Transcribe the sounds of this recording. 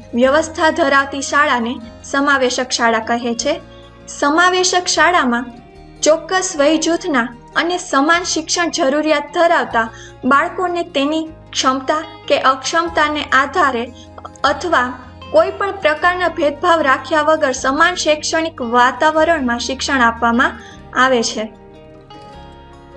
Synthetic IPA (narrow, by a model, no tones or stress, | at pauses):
ʋjəʋəst̪ʰad̪ʱəɾaʋt̪iʃaɭanesəmaʋeʃəkʃaɭakəɦet͡ʃʰe | səmaʋeʃəkʃaɭamã | t͡ʃɔkːəsʋəjd͡ʒut̪ʰna | ənesəmanʃɪkʃəɳ̃d͡ʒəɾuɾjat̪̚d̪ʱəɾaʋt̪a | baɭkonet̪enikʃəmt̪akeʔəkʃəmt̪aneʔad̪ʱaɾe | ət̪ʰəʋa | koipəɳpɾəkaɾnabʱed̪̚bʱaʋɾakʰjaʋəɡəɾsəmanʃekʃəɽ̃ikʋat̪aʋəɾəɳmãʃɪkʃəɳ̃apʋamã | aʋet͡ʃʰe